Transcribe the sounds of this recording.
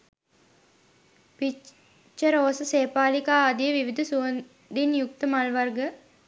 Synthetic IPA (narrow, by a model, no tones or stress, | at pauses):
pi | t͡ʃːəɾoːsəseːpaːlikaːd̪ijəʋiʋid̪ʱɐsuən | d̪injuk̚t̪əmalʋɐrɡə